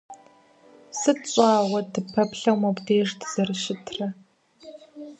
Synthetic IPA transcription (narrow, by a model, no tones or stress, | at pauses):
sɨɕʷʼaːwɐdɨpʰɐpɬɐwmɐbdeːʐtz̥ɐrɨʃɪtʰrɐ